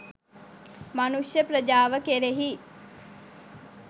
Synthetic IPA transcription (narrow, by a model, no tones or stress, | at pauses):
manuʂjəpɾəd͡ʒaːʋəkeɾeɦi